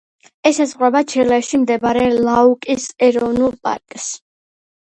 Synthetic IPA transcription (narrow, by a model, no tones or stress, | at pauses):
ɛsazʁwɛbat͡ʃʰilɛʃimd̪ɛbɾɛlaukʼisɛɾɔvnulˠpʼa̰ɾkʼs